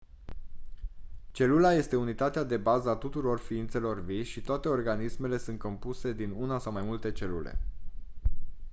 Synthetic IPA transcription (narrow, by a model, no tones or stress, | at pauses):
t͡ʃe̞lulaje̞st̪e̞unit̪at̪ead̪e̞bazəat̪ut̪uɾo̞rfiint̪se̞lo̞rviʃit̪oat̪e̞o̞rɡanisme̞le̞sɨnt̪ko̞mpuse̞d̪inunasawmajmult̪e̞t͡ʃe̞lulḛ